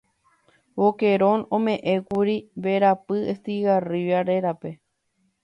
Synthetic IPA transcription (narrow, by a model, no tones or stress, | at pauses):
woke̞ɾõnõmẽ̞ʔẽkuɾibe̞ɾapɨest̪iɣariʋaɾe̞ɾape̞